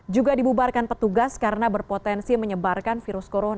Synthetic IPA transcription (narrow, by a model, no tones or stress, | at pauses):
d͡ʒuɡadibubarkanpət̪uɡaskaɾənabərpot̪ɛnsiməɲəbarkanfiɾʊskoɾona